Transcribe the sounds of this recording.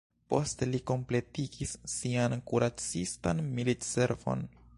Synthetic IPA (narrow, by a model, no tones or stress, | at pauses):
po̞̰steliko̞mple̞tiɡ̥isːiankuɾat͡sistanmilitse̞ɾvo̞̰n